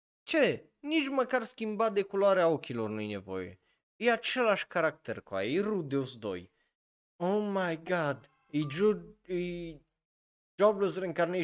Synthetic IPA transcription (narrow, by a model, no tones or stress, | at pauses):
t͡ɕɛ | ɲid͡ʒmakaɾskʲimbad̪ɛkulaɾɛaokʲilɔɾnujɲɛvɔ̰jɛ̰ | ijaʂɛlaʂkaɾak̚t̪ɛɾkoa̰ejɾud̪ɔzd̪ɔ̰j | owmajɡad̪ | i | i | d͡ʒɔbləzɾɛŋkaɾnʲɛ